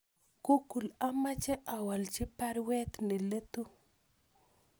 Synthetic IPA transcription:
kʊkʊlamat͡ʃeʔawalt͡ʃɪpaɾwet̪nɪlet̪ʊ

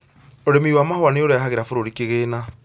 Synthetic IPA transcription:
oɾemiwaːmahowaneoɾaɦaɣeɾafoɾoɾikeɣena

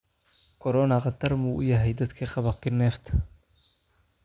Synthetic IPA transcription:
kʰɔɾɔnɐqɑd̪ɐrmuːʔʊjɐɦɛjd̪ɐd̪kʰiqɑβɐqɪnːɛːft̪ʰɐ

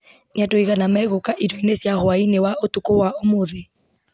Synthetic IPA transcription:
niatoiɣanamaɛɣokaʔidɔinesjahoainewaotukowaomoðe

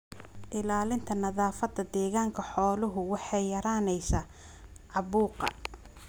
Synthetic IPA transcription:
ʔɪlaːlɪnt̪ʰɐnɐðaːfɐd̪ɐd̪ɛːɣaːŋkʰɐħɔːlʊɦʊwɑħɑjjɐɾaːnɛjsaː | ʕɑβuːqɑ̰

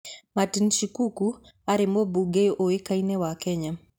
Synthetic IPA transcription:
matinʃikuku | aɾemobuɡejʔoekainɛwakɛɲa

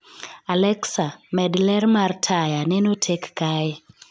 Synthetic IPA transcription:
alɛksamɛdlɛrmartʰajanɛnotʰekːaɛ

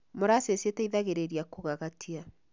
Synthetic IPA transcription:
moɾasesetɛiðaɣeɾeɾiakoɣaɣatʰia

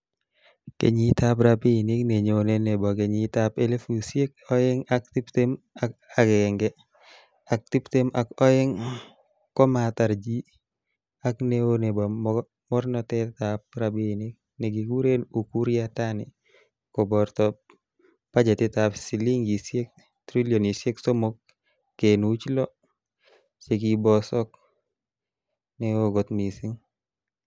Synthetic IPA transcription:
kḛɲitap̬ɾapinikneɲeonenebɔkeɲitapelefusjek̚ɔɪŋak̚tiptem | aaɡɛŋɡɛ | ak̚tiptemʔakɔeŋ | kɔmataɾd͡ʒi | akneonebɔ | mɔɾnɔtɛtap̚ɾabinik̚ | nɛɡiɡuɾenukuɾjatani | kɔbɔɾtɔp | pad͡ʒɛtitapsiliŋɡisɛk̚ | tɾiljɔnisɛksɔmɔkː | enut͡ʃlɔ | t͡ʃeɡibɔsɔk̚ | nɛwoɡɔtmisiŋ

